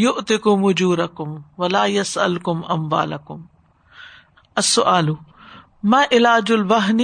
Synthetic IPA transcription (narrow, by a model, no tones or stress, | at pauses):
jʊʔt̪ɪkʊmʊd͡ʒuːɾɐkʊmwɐlaːjɐsʔɐ̰lkʊmʔɐ̰mwa̰ːlɐkʊm | ɐsːʊʔaːlʊ | maːʔɪlaːd͡ʒʊlbɐɦni